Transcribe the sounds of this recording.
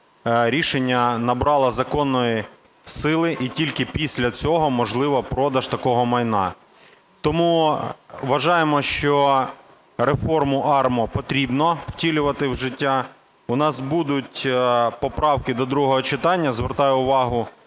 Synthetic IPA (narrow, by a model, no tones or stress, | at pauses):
ɾʲiʃenʲːɐnɐbɾɑlˠɐzɐkɔnːɔji | sɪlˠɪʔitʲilʲkɪpʲisʲlʲɐt͡sʲɔɦɔmɔʒlˠɪʋɐpɾɔd̪ɐʃt̪ɐkɔɦɔmɐjnɑ̰ | t̪ɔmu | ʋɐʒɑjemɔʃt͡ʃɔ | ɾefɔrmʊʔɑrmɔpɔt̪ɾʲibnɔw̥tʲilʲʊʋɐt̪ɪwʒɪtʲːa | ʊnɑsbud̪ʊtʲpɔpɾɑwkɪd̪ɔd̪ɾuɦɔɦɔt͡ʃɪt̪ɑnʲːɐzʋert̪ɑjʊʊʋɑɦʊ